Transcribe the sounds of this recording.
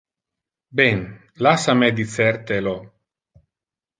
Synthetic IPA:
bɛn | lasamɛd̪it̪sɛɾt̪elo

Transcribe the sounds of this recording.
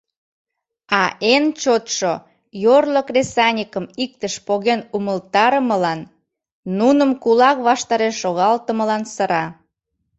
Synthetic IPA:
ɑʔent͡ɕot̪ʃo | jorləkresɑnʲikəmik̚t̪əʃpoɣenuməlt̪ɑɾəməlɑnː | unəmkulɑkβɑʃt̪ɑɾeʃːoɣɑlt̪əməlɑnsəɾɑ

